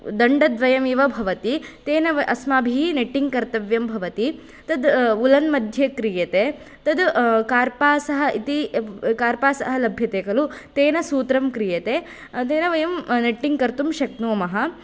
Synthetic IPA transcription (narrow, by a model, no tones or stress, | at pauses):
d̪ɐɳɖɐd̪ʋɐjɐmiːʋɐbʱɐʋɐt̪it̪eːnɐʋɐʔɐsmaːbʱiineʈːiŋɡkɐɾt̪ɐʋjɐmbʱɐʋɐt̪i | t̪ɐd̪ulɐnmɐd̪ʱjɐkɾijɐt̪eː | t̪ɐd̪kaːɾpaːsɐɦɐʔit̪ikaːɾpaːsɐɦɐlɐbʱjɐt̪eːkɐlut̪eːnɐsuːt̪ɾɐmkɾijɐt̪eː | t̪eːnɐʋɐjɐmneʈːiŋkɐɾt̪umʃɐknoːmɐɦɐ